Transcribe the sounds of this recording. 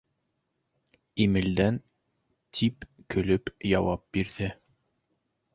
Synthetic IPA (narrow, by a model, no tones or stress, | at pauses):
imɘ̆ld̪æn | t̪ʰipkɵ̆lɵpjɑwɑp̚biɾðɘ